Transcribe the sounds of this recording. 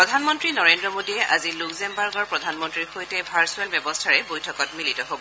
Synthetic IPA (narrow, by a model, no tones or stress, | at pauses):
pɹɔdʱanmɔntɹinɔɹendɹɔmodiɛʔaziluɡzɛmbaɹɡɔɹpɹɔdʱanmɔntɹiɹxojtɛbʱaɹsuɛlbjɛbɔstʰaɹɛbojtʰɔkɔtmilitɔɦobɔ